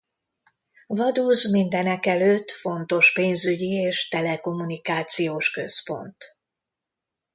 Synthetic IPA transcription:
vɒd̪uːzmind̪ɛnɛkɛløːt̪ːfo̞nt̪o̞ʃpeːnzyɟieːʃt̪ɛlɛko̞munikaːt̪sijoːʃkø̞spo̞̰nt̪

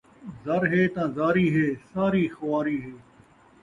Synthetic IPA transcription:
zɐɾɦeːt̪ãːzaːɾiːɦeːsaːɾiːxɐʋaːɾiːɦeː

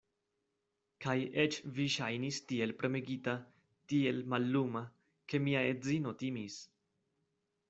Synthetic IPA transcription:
kajet͡ʃviʃajnistie̞lpɾe̞me̞ɡita | tie̞lmalːuma | ke̞miaezino̞t̪imis

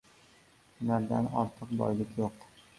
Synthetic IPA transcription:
ʊnaɾd̪a̰nɒ̰ɾt̪ʰɨqbɒ̰jlɪkʲjoq

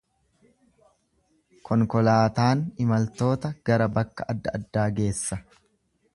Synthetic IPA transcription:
kɔŋkɔlaːt̪aːnɪmɐlt̪o̞ːt̪ɐɡ̥ɐɾɐbɐkːɐʔɐd̪ːɐɐd̪ːaːɡe̞ːsːɐ

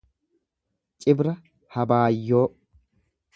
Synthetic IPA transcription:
t͡ʃʼɪbɾɐ | hɐbaːjːoː

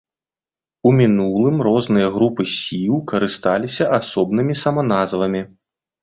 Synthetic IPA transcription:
umʲinulˠɨmɾɔznɨjɐɣɾupɨsʲilˠkɐɾɨst̪alʲisʲɐʔasɔbnɨmʲisɐmɐnazvɐmʲi

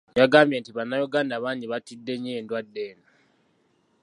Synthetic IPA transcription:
jaɡaːmbje̞ntiβanːajuɡaːndaβaːɲɟiβatidːe̞ɲieːndwadːeːna

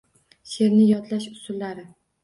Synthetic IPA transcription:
ʃe̞ɾnɪjɒt̪laʃʊsʊlːaɾɪ

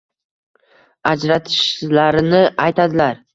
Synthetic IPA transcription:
ad͡ʒɾat̪ʰɪ̥ʃlaɾɪnɪajt̪ʰad̪ɪlaɾ

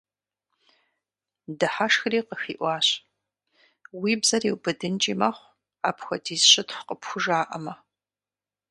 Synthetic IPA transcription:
dɨħaʂxriːqəxiːʔʷɑːɕ | wiːbzɐriwbɨdɨnt͡ʃʼiːmɐχʷ | aːpxʷɐdiːzɕʼɐtxʷqəpxʷʊʒaːʔɐmɐ

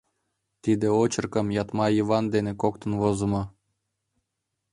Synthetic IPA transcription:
t̪id̪ĕot͡ɕɤ̆rkɤ̆mjɑt̪mɑivɑnd̪enĕkok̚t̪ə̆nvozə̆mɤ̆

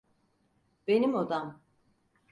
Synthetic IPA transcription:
b̥enimod̪am

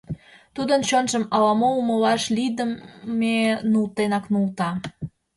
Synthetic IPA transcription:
t̪ud̪ənt͡ɕonʒəmɑlɑmouməlɑʃlid̪əmmenult̪enɑknult̪ɑ

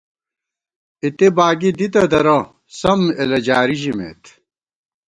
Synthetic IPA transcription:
it̪ebaːɡid̪it̪ɐd̪ɐɾɐ | sɐmelɐd͡ʑaːɾiʑimḛt̪

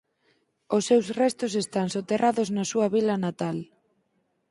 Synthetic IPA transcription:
ʊsːewsrɛst̪ʊsest̪aŋsot̪erʔaðʊznɐsuɐβilɐnat̪al

